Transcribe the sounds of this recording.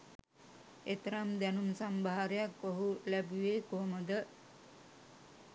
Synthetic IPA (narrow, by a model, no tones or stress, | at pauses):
et̪ɾamd̪ænumsambaɦaɾəjakːoɦulæbuʋeːkoɦməd̪ə